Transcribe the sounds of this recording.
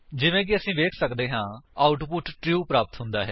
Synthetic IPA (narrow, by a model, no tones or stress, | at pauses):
d͡ʒɪʋẽːk̬ɪəsĩːʋeːkʰsəkd̪eːɦãːaːʊʈpʊʈʈɾjuːpɾaːpət̪ɦʊnd̪aːɦɛː